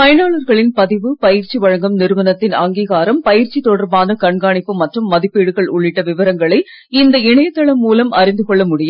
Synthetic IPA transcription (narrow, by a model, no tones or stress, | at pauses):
mɐjɐnaːɭɐɾɣɐɭɪnpɐðɪʋɯpɐjɪɾt͡ʃiʋɐɻɐŋɡɐmnɪɾɯʋɐnɐt̪ːɪnɐŋɡiːɣaːɾɐmpɐjɪɾt͡ʃit̪ːɔɽɐɾbaːnɐkɐɳɡaːɳɪpːɯmɐʈrɯmːɐðɪpːeːɽɯɣɐɭʊɭːɪʈːɐʋɪʋɐɾɐŋɡɐɭɐɪ | ɪnd̪ɐɪɳɐjɐt̪ːɐɭɐmːuːlɐmʔɐɾɪnd̪ɯkɔɭːɐmʊɽɪjɐm